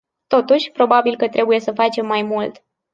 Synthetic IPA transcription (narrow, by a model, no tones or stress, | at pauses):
t̪o̞t̪uʃʲpɾo̞babilkət̪ɾʔe̞buje̞səfat͡ʃe̞mːajmult̪